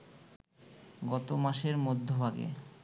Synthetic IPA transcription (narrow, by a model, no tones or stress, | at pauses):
ɡɔt̪omaʃeɾmod̪ʱːobʱaɡḛ